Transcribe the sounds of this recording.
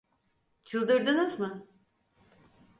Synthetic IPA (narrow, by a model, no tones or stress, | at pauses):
t͡ʃʰɯlˠd̪ɯɾd̪ɯnɯzmɯ